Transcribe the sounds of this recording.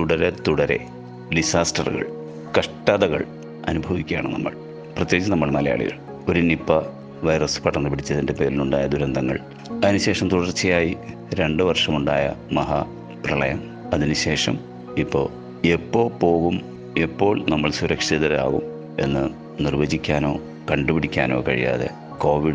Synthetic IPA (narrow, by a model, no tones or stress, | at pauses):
t̪uɽɐɾet̪uɽɐɾe̞̰ | ɖisaːsʈɐrɨɣɐ̰ɭ | kɐʂʈɐðɐɣɐ̰ɭ | ɐnubʱɐʋikʲːaːɳɨnɐ̰mːɐ̰ɭ | prɐt̪je̞ːt͡ɕːɐnɐmːɐɭmɐlɐja̰ːɭḭɣɐ̰ɭ | o̞ɾunipːɐ | ʋɐjrɐsɨ̥pɐʈːɐnːɨpiɽit͡ɕːɐðinde̞pe̞ːlinuɳɖaːjɐd̪uɾɐnd̪ʱɐŋːɐ̰ɭ | ɐðinɨɕe̞ːʂɐmt̪uɽɐrt͡ɕːijaːji | ɾe̞ɳɖɨʋɐrʂɐmuɳɖa̰ːjɐ̰mɐɦɐ | prɐɭɐjɐm | ɐðinɨɕe̞ːʂɐm | ipːo̞̰ː | epːo̞ːpo̞ːɣum | e̞pːo̞ːɭnɐmːɐɭsuɾɐkʂiðɐɾa̰ːɣṵm | e̞̰nːɨ | nirʋɐd͡ʑikʲːaːno̞ː | kɐɳɖɨpiɽikʲːaːno̞ːkɐ̰ɻḭja̰ːðḛ | ko̞ːʋiɽ